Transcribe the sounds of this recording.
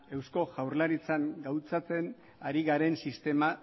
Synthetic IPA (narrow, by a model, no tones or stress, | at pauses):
e̞wsko̞ʝawrlaɾit͡saŋɡawt͡sat͡se̞n | aɾiɣaɾe̞nsist̪e̞ma